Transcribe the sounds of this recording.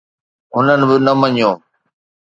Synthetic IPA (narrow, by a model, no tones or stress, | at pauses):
ɦʊnənɪ̆bɪnɐmɐɲõː